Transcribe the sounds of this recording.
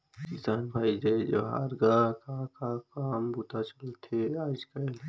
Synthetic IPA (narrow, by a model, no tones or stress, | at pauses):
kɪsaːnbʱaːid͡ʒaed͡ʒo̰ɦa̰ːɾɡakakakaːmbuːt̪at͡ʃɐlt̪ʰeaːd͡ʒkɐl